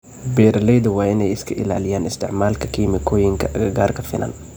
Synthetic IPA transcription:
bɛːɾɐlɛjðɐwɑːɪnɛjɪskʰɐʔɪ̰la̰ːlɪjaːnɪst̪ʰɪ̰ʕmaːlkʰɐkʰiːmɪkʰɔːjɪŋkʰɐʔɐɡɐɡaːrkʰɐfɪnʔɐ̰n

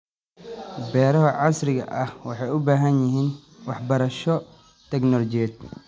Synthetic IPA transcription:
bɛːɾɐɦɐʕɑsɾɪɣɐ̰ʔɐhwɑħɑjʊbaːɦɐnjɪɦiːn | wɑħbɐɾɐʃɔ | t̪ʰɛɡnɔlɔt͡ʃijɛːd̪̚

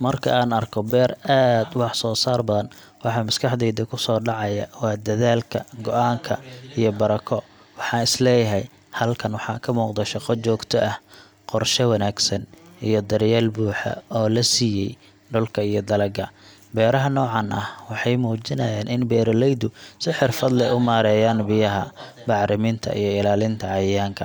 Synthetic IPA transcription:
mɐrkʰɐ̰aːnɐrkʰɔbɛːraːd̪wɑħsɔːsaːrbɐðɐn | wɑħɑmɐskʰɑħd̪ɛjd̪ɐkʰʊsɔːɖɑʕɑjɐ̰wɑːd̪ɐðaːlkʰɐɡɔʔaːŋkʰɐ̰ijɔbɐɾɐkʰɔ | wɑħɑːnɪslɛːjɐɦɛj | hɐlkʰɐnwɑħɑ̰ːkʰɐmuːqd̪ɛʃɑqɔt͡ʃɔːɡt̪ʰɔʔɐh | qɔrʃɛwɑnaːɡsɐnijɞd̪ɐɾjaːlbuːħɐ̰ɔːlɐsiːjɛ̰j | ɖʊlkʰɐijɞd̪ɐlɐɡɐ | bɛːɾɐɦɐnɔːʕɑnʔɐhwɑħɑjmuːt͡ʃɪnɐjaːnʔɪnbɛːɾɔlɛjd̪ʊsɪħɪrfɐd̪lɛʊmaːɾɛːjaːnbɪjɐɦɐ | bɑʕɾɪmɪnt̪ʰɐ̰ʔḭjɔɪlaːlɪnt̪ʰɐʕɑjjaːŋkʰɐ

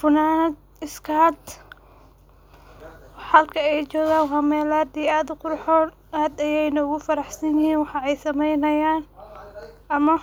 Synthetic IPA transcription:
fʊnaːnɐd̪̚ | ɪskʰɐd̪ | ħɐlkʰɐɛjt͡ʃɔːɣaːŋhɐmɛːlaːd̪iːaːd̪ʊqʊɾħɔːn | aːd̪ɐjɛjnɐʊɣʊfɐɾɑħsɐnjɪhiːnwɑħɑɛjsɐmɛjnɐjaːn | ʔɐmɐ

